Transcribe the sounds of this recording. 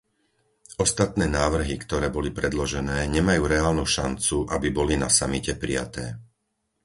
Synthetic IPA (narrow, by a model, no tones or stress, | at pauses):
ʔɔst̪at̪nɛːnaːʋr̩ɦikt̪ɔɾɛːbɔlipɾɛd̪lɔʒɛnɛːɲɛmajuːɾɛaːlnuʃant͡suʔabibɔlina̰samicɛpɾḭja̰t̪ɛː